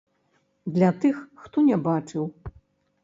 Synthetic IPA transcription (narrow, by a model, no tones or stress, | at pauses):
d̪lʲat̪ɨxːt̪ɔnʲɛbat͡ʂɨw